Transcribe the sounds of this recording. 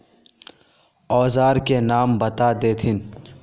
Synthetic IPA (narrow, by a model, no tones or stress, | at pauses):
ɔːzaːɾkenaːmbɐt̪ad̪eːt̪ʰɪn